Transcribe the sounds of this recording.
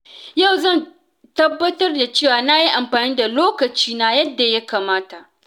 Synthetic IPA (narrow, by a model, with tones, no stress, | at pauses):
ja˦˨wzɐ˦˨n | tɐ˦bːɐ˦tɐ˦rda˨t͡ʃeː˦˨waː˨na˦ji˦ʔa˨mɸaː˨niː˦da˨loː˦kɐ˨t͡ʃiː˦na˨jɐ˦dːa˨ja˦kaː˨maː˦ta˨ʔ